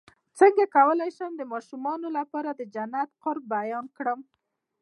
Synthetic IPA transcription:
t͡səŋɡakawəlajʃəmd̪əmɑʃumɑnolapɑɾad̪əd͡ʒanːat̪qʊɾb̚bajɑnkɽəm

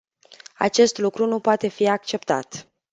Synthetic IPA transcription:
a̰t͡ʃe̞st̪lukɾunupoat̪e̞fiak̚t͡ʃe̞pt̪a̰t̪

